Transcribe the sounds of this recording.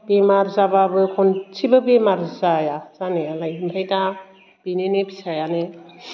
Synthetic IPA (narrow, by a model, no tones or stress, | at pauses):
bemaɾzababɯkʰɔnt͡ʃʰibɯbemaɾzajaz̥anealajimbʰʱajta | b̥inenebisajane